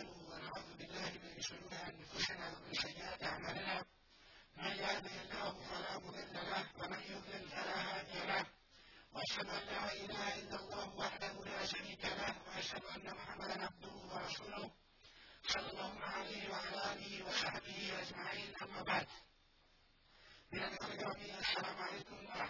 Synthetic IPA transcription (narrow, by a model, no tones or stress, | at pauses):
lʊwanaʕuːðʊbɪlːaːhɪmɪnʃʊɾuːɾɪʔanfʊsɪnaːwamɪnsajːɪʔaːt̪ʔaʕamaːlɪnaː | manjahd̪ɪhɪlːaːhʊfalaːmʊðˤɪlːalahwamanjʊd̪lɪlfalaːɦaːðɪjalah | waʔaʃhad̪ʊʔanːaːʔɪlaːhaʔɪlːalˤːɑːhʊwaħd̪ahʊlaːʃaɾiːkalahwaʔaʃhad̪ʊʔanːamʊħamːad̪anʕab̚d̪ʊhʊwɑɾˤɑsuːlʊh | ɑsˤɑlːɑlˤːɑːhʊmaʕalahɪwaʕalaːʔːʔaːlɪhɪwɑsˤɑħbɪhɪʔad͡ʒmaʕiːnʔamːaːbaʕd̪ | mɪnʔanʔaalʔɑɾˤɑmɪjːʔasːalaːmʊʕalajkʊm